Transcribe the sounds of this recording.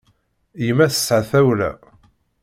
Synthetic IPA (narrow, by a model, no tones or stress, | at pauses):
jəmæθə̥sːʕθæwlæ̰